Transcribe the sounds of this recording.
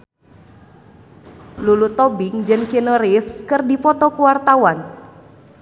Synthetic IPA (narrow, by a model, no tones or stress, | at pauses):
lulut̪ɔbɪŋd͡ʒɨŋkinəɾifskɨrdipɔt̪ɔkuwart̪awan